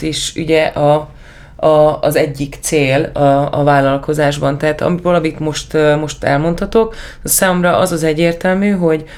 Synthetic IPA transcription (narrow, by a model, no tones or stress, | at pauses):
t̪iʃy̰ɟɛʔɒ | zɛɟːikt̪seːlɒɒ̰vaːlːɒlko̞zaːʒbɒnt̪ɛɦːt̪ɒ̰mivɒlɒmit̪mo̞ʃt̪mo̞ʃt̪ɛ̰lmo̞nt̪hɒt̪o̞k | saːmo̞mrɒʔɒzɒzɛɟːeːrt̪ɛlmyːɦo̞ɟ